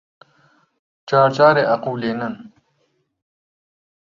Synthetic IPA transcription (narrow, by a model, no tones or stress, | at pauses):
t͡ʃaːɾt͡ɕaːɾeʔɐquːleːnɐn